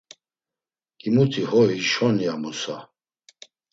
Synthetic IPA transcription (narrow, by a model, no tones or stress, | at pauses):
kʼimut̪ʰihɔiʃɔnjamusa